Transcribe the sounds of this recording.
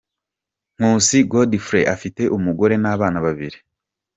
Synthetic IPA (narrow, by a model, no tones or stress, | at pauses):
ŋ̥uːsiɡodifɾeʔafite̞ʔumuɡo̞ɾe̞naːβaːnaβaβḭɾi